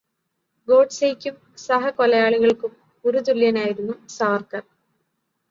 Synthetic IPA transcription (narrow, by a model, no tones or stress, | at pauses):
ɡo̞ːɖsejkʲːum | sɐɦɐkolɐjaːɭuɣɐɭkɨm | uɾut̪̬uljɐnaːjiɾunːusɐʋɐrkɐr